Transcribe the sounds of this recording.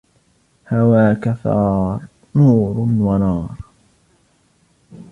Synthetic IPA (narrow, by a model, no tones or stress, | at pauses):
hawaːkaθɑ̰ːɾˤ | nuːɾnwanɑːɾˤ